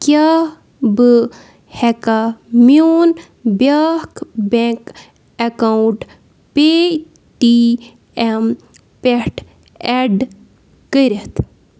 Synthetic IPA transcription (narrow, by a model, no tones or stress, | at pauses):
kja | bɨ | hɛkamjon | bjaːkbẽŋk | ekawuʈ | pe | ʈi | em | peʈ | eɖ | kəɾet̪ʰ